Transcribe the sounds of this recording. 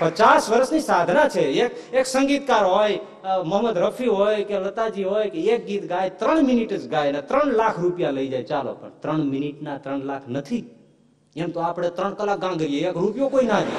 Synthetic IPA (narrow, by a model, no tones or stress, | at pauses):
pət͡ʃasʋəɾəsnisaːd̪ʱnat͡ʃʰeekeːksə̃ŋɡiːt̪kaːɾɦoːj | məɦməd̪ɾəpʰiɦoːjkelət̪ad͡ʒiɦoːjkeeːk̚ɡiːt̪ɡaːjt̪ɾəɳmɪniʈət͡ʃɡaːjnet̪ɾəɳ̃laːkʰɾupjaləid͡ʒaːjt͡ʃaːlo̰pəɳt̪ɾəɳmɪniʈnat̪ɾəɳlaːkʰnət̪ʰi | emt̪oaːpɽ̃et̪ɾəɳ̃kəlak̚ɡãɡəɾijeekɾupjokoinad̪i